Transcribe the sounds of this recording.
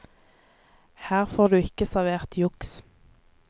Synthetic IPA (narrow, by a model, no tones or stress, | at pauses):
hæːʁfoːʁd̪ʉːɪkəsæʁʋeːʁt̪ʰjʊks